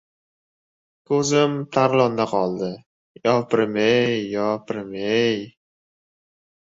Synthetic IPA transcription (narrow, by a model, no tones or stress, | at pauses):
kʰɵzɪmt̪ʰaɾlˠɒnd̪aqʰɒlˠd̪ɪ | jɒpɪɾmejːɒpʰɪɾmej